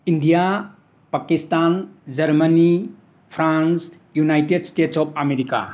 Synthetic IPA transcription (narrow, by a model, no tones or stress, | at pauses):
indija | pakistand͡ʒɐɾmɐni | pʰɾans | junajted̚stetsɔp̚ʰɐmeɾika̰